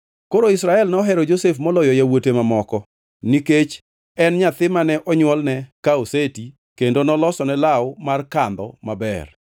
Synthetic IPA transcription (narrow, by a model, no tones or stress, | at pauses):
koɾoisɾaɛlnɔɦɛɾɔd͡ʒosefmɔlɔjɔjawotemamɔkɔ | niket͡ʃ | ɛnɲat̪ɪmanɛʔɔɲwɔlnɛkaoseti | kendonɔlɔsɔnɛlawʊmarkand̪ɔ̰mabɛ̰r